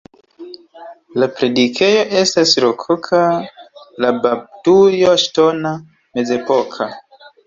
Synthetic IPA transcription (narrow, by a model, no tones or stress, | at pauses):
lapɾe̞dikʰe̞jo̞ʔe̞stasɾokʰokʰa | labab̚tujoʃtona | me̞ze̞pokʰa